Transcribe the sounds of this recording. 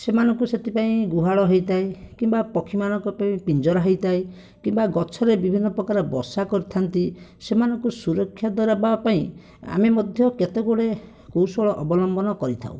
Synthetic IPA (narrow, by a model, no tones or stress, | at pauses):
semanɔŋkuset̪ʰipaĩɡuɦaɭɔɦejt̪aekimbapɔkʰimanɔŋkɔpaĩpind͡ʒɔɾaɦejt̪ae | kimbaɡɔt͡ʃʰɔɾebibʱinːɔpɾɔkaɾɔbɔsakɔɾit̪ʰant̪isemanɔŋkusuɾɔkʰːjad̪waɾabapaĩ | a̰memɔd̪ʱjɔket̪eɡoɽe | kowsɔɭɔʔɔbɔlɔmbɔnɔkɔɾit̪ʰa̰ṵ̃